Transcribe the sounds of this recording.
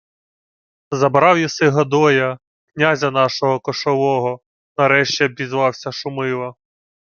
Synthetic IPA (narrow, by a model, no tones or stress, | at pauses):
zɐbɾɑwjɐsɪɦɐd̪ɔjɐ | knʲazʲɐnɑʃɔɦɔkɔʃɔʋɔɦɔ | nɐɾɛʃt͡ʃɛbʲizʋɑwsʲɐʃʊmɪlˠɐ